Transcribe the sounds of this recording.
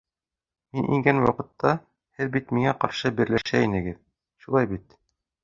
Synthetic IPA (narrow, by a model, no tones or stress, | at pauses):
minʔiŋɡænwɑqɤ̆t̪ːɑ | hɘðbit̪miŋæqɑɾʃɤbĭɾlæʃæinɘ̆ɡɘð | ʃulˠɑjbit̪